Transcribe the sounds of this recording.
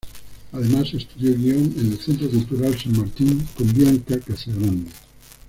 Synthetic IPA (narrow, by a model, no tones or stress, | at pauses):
aðemasest̪uðjoɣioŋenelθent̪ɾokult̪uɾalsaŋmaɾt̪iŋkombjaŋkakasaɣõnd̪e